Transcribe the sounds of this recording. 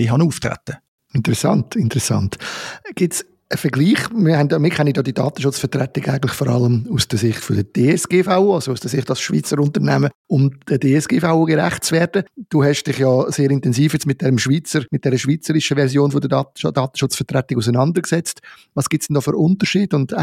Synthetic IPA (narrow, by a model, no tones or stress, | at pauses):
diɦɑnuːftʁɛ̰tə | ɪntəɾɛsɑ̰ntɪntəɾɛsɑ̰ntɡ̥ɪts | əfəɡliːχmɪhɛndmɪkʰɛnijɑːdidɑːt̪əʃʊt͡sfətɾɛtɪɡaɪɡən̩tlɪxfɔːɾɑ̰ləmusd̥əsɪχtfʊdəd̥eːɛsɡ̥eːfaʊɑsousd̥əsɪχtɑlsʃvḭːt͡səɾʊntəɾnɛməʊmd̥ədeːɛsɡ̥eːfaʊuɡeɾæ̰χt̚t͡svɛːɾdəd̥uɦɛʃd̥ɪχjɔːseːɾɪntɛnziːfjɛt͡smɪt̚d̥ɛɾəmʃviːt͡səɾmɪt̚d̥ɛɾəʃʋiːt͡səɾɪʃəvɛʁɾsjoːnfʊdədɑdɑːt̪əʃʊt͡sfətʁɛtɪɡus̬ənɑndəɾksɛt͡stvɑːsɡ̥ɪtsd̥ɛndɔːfyɾʊntəɾʃiːdʊnd̥